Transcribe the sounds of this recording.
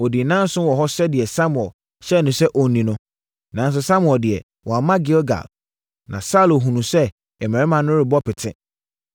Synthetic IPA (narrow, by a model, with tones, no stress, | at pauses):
ɔ˨di˨nã˦n̩˦sʊ̃˦wɔ˨ɦɔ˦sɛ˦dɪ˨ɛ˨sa˦mʊ˨ɛ˨l | ɕɛ˦˨nʊ̃˨sɛ˦ʔɔ˨n˨nĩ˨nʊ̃˦ | nã˨n˦s̬ʊ˦sa˦mʊ˨ɛ˨ldɪ˨ɛ˨ | wʔɔ˨a˨mã˦ɡɪ˦lɡa̰˨l | nã̰˨sa˦lo˨ɦũ˨nũ˨sɛ˦ | ɛ˨mɛ̃˨ɪ˦mã˨nʊ̃˦ɾɪ˨bɔ˦pʰɪ˨tʰɪ̰̃˦